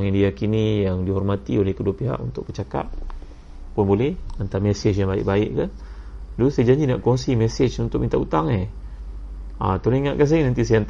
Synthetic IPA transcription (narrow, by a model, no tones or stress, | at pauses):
ŋindiakinijaŋdiɦɔrmat̪iolɛhkəduapiɦa̰ʔṵnt̪ʊk̚bət͡ʃaka̰p̚ | pʊnbolɛhant̪aamɛset͡ʃjaŋbaɪ̰ʔ̚baɪʔkan | dosajad͡ʒaɲd͡ʒinaʔkɔŋsimɛset͡ʃunt̪ʊk̚mint̪aʔut̪aŋe | a̰t̪uɾniŋaʔ̪̚kans̬ainãnt̪isajant̪